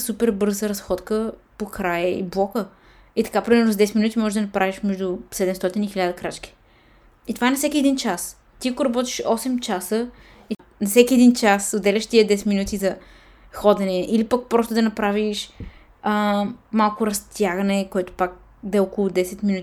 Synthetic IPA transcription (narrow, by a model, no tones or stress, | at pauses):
supɛɾbɤɾzəɾɐsxɔt̪kəpokɾajəḭblˠɔkə | it̪ɐ̥kapɾʲimɛɾnʊzɐd̪ɛsɛt̪minut̪ʲimɔʒɛʒd̪ɐnɐpɾaviʃmɛʒd̪usɛd̪ɛmst̪ɔt̪inixilʲad̪ɐkɾat͡ʃkʲi̥ | it̪ovaɛnɐsɛkʲiɛd̪int͡ʃas | t̪iɐkʊɾɐbɔt̪i̥ʃɔsɛmt͡ʃasə | i | nɐfsɛkʲiɛd̪int͡ʃasod̪ɛlʲɐʃt̪iəd̪ɛsɛ̥t̪minut̪izɐ | xɔd̪ɛnɛʔilipɐk̚pɾɔst̪ʊd̪ɐnɐpɾaviʃ | əmalˠkʊɾɐst̪jaɡɐnɛkoɛt̪ʊ̥pak̚ | d̪ɛɔkolˠʊd̪ɛsɛt̪minut̪